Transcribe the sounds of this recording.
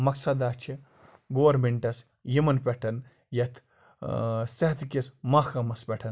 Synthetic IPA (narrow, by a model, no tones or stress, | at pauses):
mɐksɐd̪aːt͡ʃʰi | ɡowɐɾmeɳʈɐs | jimɐnpʲeʈʰɐn | jɐt̪ʰ | seɦɐt̪ʰkʲismaːkɐmɐspʲeʈʰɐn